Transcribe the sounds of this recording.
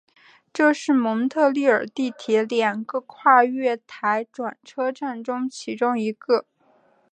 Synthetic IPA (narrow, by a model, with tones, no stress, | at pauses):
ʈ͡ʂɤ˥˧ʂɻ̩˥˩mɤ˧˥ŋt̪ʰɤ˥˧li˥˩ə˞˨˩t̪i˥˩t̪ʰjɛ˧˥ljɑ˨˩ŋɡə˧kʰwa˥˧ɥɛ˥˩t̪ʰa˧˥ɪʈ͡ʂwa˨˩nʈ͡ʂʰɤ˥ʈ͡ʂa˥˩nʈ͡ʂʊ˥ŋt͡ɕʰi˧˥ʈ͡ʂʊ˥ŋi˧˥ɡə˥˧